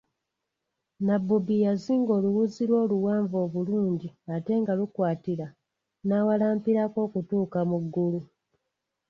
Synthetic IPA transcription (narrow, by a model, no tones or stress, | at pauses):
nabːubijaziːŋɡo̞ːluwuziɾwo̞ːluwaːɱvo̞ːβuluːɲɟiate̞ːŋɡalukwaːtiɾa | naːwalaːmpiɾako̞ːkutuːkamuɡːulu